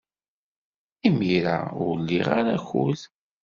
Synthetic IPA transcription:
imiɾa̰ʊɾlːiʁaɾaxuð

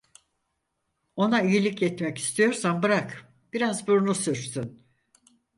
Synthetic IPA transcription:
o̞naijilʲicjɛt̪mɛci̥st̪ʰijo̞ɾsambɯɾak | b̥iɾazbuɾunusyɾsyn

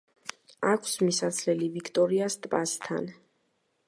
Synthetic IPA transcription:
akʰsmisat̪sʰlɛlivikʰt̪ʼɔɾiast̪ʼpʼast̪ʰa̰n

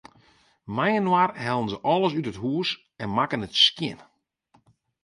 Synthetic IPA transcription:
majənwarhɛlˠənzəʔɔlˠəs̬ytətɦuəs | ɛnmakənətskjɪn

